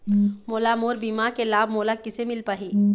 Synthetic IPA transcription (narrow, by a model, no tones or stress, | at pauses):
moːlamoːɾbiːmaɾkelaːbmoːlakɪsemɪlpaːɦiː